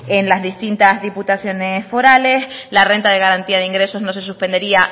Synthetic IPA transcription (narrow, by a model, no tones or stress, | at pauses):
e̞nlazðist̪int̪azðiput̪asjo̞nesfo̞ɾaleslare̞nt̪aðe̞ɣaɾant̪iað̞eiŋɡɾe̞so̞zno̞s̬e̞s̬uspe̞nd̪e̞ɾia